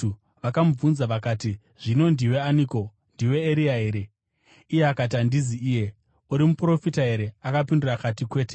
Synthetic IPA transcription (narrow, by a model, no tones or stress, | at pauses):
ʋakamub͡vunzaʋakaːti | ʐ̥ino̞ndiwe̞aniːko̞ | ndiwe̞ːɾiaɦe̞ːɾe̞ | ijeakat̬andiziiːje̞ | uɾimupro̞fitaɦe̞ɾe̞akapindurakatikwe̞ːte̥